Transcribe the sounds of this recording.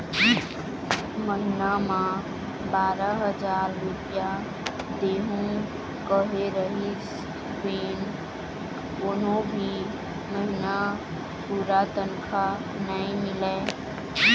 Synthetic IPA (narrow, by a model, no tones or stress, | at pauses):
məɦinamã | baːɾəɦəd͡ʒaɾːupija | d̪eːɦũ | kəɦeɾəɦis | beːn | koːnobʱi | məɦina | puɾat̪ənkʰa | naĩmɪlɛ